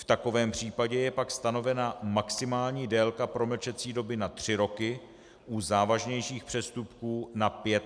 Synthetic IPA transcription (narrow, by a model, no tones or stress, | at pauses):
ft̪ako̞vɛːmpr̝̥iːpaɟɛjɛpakst̪ano̞vɛnamaksɪmaːlɲiːdɛːlkapɾo̞ml̩t͡ʃɛt͡siːdo̞bɪnat̪r̝̥ɪɾo̞kɪ | ʔuzaːvaʒɲɛjʃiːxpr̥ɛst̪upkuːnapjɛt̪